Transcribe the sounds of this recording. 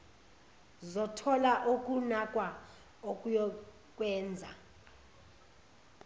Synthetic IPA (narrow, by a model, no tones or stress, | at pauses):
zɔtʰɔlaʔok̬ʼunakʼwa | okʼujɔ | k̬ʼwɛːnd͡zʱa̰